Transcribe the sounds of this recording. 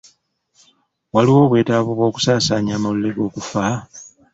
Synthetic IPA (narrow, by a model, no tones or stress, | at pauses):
waliwo̞ːβwe̞ːtaβuβwo̞ːku̥saːsaːɲaːmaluleɡo̞ːkufa